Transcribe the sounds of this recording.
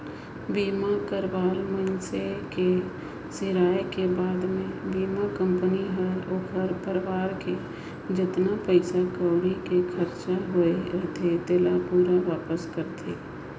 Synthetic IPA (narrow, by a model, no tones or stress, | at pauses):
biːmakəɾʋaːlmənseke | sɪɾaːjkebaːd̪mẽbiːmakə̃mpəniɦəɾokʰəɾpəɾɪʋaːɾke | d͡ʒɪt̪napəɪsakaːʊɽikekʰəɾt͡ʃaɦoeɦt̪ʰet̪eːlapuːɾaʋaːpəskəɾt̪ʰeː